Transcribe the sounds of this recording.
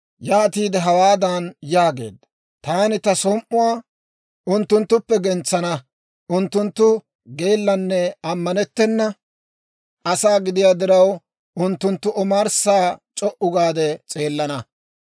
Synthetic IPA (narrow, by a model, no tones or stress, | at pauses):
jaːt̪iːd̪ɛɦɐwaːd̪ɐnjaːɡe̞̰ːd̪ɐ | t̪aːnɪt̪ɐsɔmʔʊwaː | ʔʊnt̪ːʊnt̪ːʊpːɛɡɛnt͡sːɐnɐ | ʊnt̪ːʊnt̪ːʊ | ɡe̞ːlːɐnːɛɐmːɐnɛt̪ːɛnːɐ | ɐsaːɡɪd̪ɪjaːd̪ɪɾɐw | ʔʊnt̪ːʊnt̪ːʊʔɔmaːɾsaːt͡ʃʼɔʔʊɡaːd̪ɛt͡sʼe̞ːlːɐnɐ